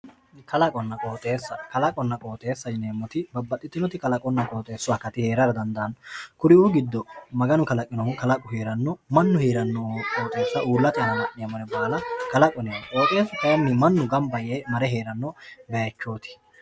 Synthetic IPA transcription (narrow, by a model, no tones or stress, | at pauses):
kɐlɐkʼɔnːɐkʼo̞ːt̪ʼe̞ːsːɐkɐlɐkʼɔnːɐkʼo̞ːt̪ʼe̞ːsːɐd͡ʒneːmːɔt̪ɪbɐbːɐt̪ʼːɪt̪ːɪnɔt̪ɪkɐlɐkʼɔnːɐkʼoːt̪ʼe̞ːsːʊɐkɐt̪ɪhe̞ːɾɐɾɐd̪ɐnd̪ɐɐnkʊɾɪuɡɪd̪ːɔmɐɡɐnʊkɐlɐkʼːɪnɔkɐlɐkʼʊheːɾɐnːɔmɐnːʊheːɾɐnːɔkʼoːt̪ʼe̞ːsːɐuːlːɐt̪ɪjɐnɐnɐʔɪjɐmɐɾɛbaːlɐkɐlɐkʼɔnekʼoːt̪ʼe̞ːsɐt̪ɐɐnːɪmɐnːʊɡɐmbɐjeːmɐɾɛɦe̞ːɾɐnːɔbɛjɐt͡ʃːo̞ːt̪ɪ̥